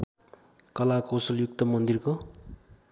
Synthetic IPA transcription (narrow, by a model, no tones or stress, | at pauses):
kʌlakʌwsʌljuk̚t̪ʌmʌnd̪irko